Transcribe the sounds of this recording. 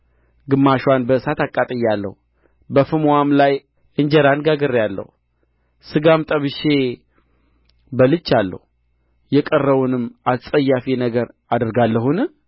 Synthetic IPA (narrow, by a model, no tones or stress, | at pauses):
ɡɨmːaʃwanbəɨsat̪akʼːat̪ʼəjːalːə̰hu | bəfɨmwamlaj | ʔɨɲd͡ʒɛɾanɡaɡəɾjalːə̰hu | sɨɡamt̪ʼəβɨʃe | bəlɨt͡ʃːalːə̰hu | jɛkʼərːəβunɨmasʼəjːafinəɡəɾ | ad̪əɾɡalːəɦunɨ